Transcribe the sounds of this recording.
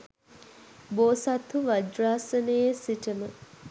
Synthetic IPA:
boːsat̪ʰuʋad͡ʒɾaːsənəjesiʈəmə

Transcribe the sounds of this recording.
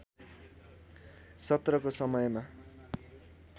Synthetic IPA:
sʌt̪rʌkosʌmʌjma

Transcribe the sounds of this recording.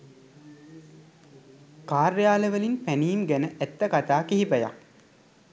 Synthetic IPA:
kaːrjaːləʋəlinpæniːmɡænəʔæt̪ːəkat̪aːkiɦibəja̰

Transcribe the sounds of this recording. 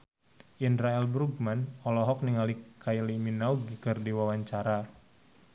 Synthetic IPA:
ʔinɾaɛlbɾuɡmanɔlɔɦɔk̚niŋalikajliminauɡikərdiwawaɲt͡ʃaɾa

